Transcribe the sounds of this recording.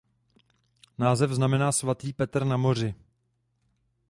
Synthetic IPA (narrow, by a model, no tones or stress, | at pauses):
naːzɛvznamɛnaːsvat̪iːpɛt̪r̩namo̞r̝ɪ